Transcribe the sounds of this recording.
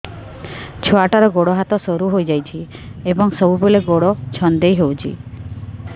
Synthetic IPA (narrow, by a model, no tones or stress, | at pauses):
t͡ʃʰoaʈaɾɔɡoɽɔɦat̪ɔsoɾuɦojd͡ʒajt͡ʃʰi | ebɔŋsɔbubeleɡoɽɔt͡ʃʰɔnd̪ejɦewt͡ʃʰḭ